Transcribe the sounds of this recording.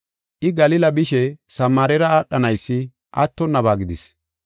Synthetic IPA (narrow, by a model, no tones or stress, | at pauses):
ʔɪɡɐlɪlɐbɪʃɛsɐmːaːɾɛɾɐaːɗːɐnɐjsːɪ | ʔɐ̰t̪ːɔnːɐβaːɡɪd̪ɪs